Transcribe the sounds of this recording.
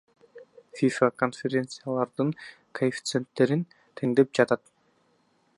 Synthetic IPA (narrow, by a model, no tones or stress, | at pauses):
fʲifakonfʲeɾʲe̞nt̪sɨjalˠɑɾd̪ɯŋ | kʰɐɪfʲt̪se̞nt̪ːe̞ɾin | t̪ʰe̞ŋd̪e̞p̚d͡ʒɑt̪ɑt̪